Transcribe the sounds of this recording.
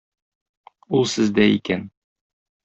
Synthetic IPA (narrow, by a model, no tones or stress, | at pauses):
ulˠsɘ̆zd̪æikæn